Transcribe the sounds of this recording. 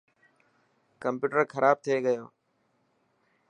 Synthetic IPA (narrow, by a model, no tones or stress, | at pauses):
kəmpjuːʈəɾxəɾʔaːb̚t̪ʰieɡəjoː